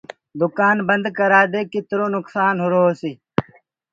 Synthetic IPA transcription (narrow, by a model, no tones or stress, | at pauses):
d̪ukaːnbɐnd̪kɐɾaːd̪eːkit̪ɾoːnʊksaːnɦuɾoːsi